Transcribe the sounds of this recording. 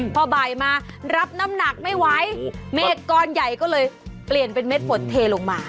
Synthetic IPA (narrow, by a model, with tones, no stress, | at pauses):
pʰɔː˧baː˨˩jmaː˧ɾa˦˥p̚na˦˥mna˨˩k̚ma˥˩jwa˦˥jmeː˦˥˩kɔː˧nja˨˩jkɔː˥˩lɤː˧jpli˨˩ənpe˧nme˦˥t̪̚pʰo˨˩˦t̪t̪ʰːeː˧loː˧ŋmaː˧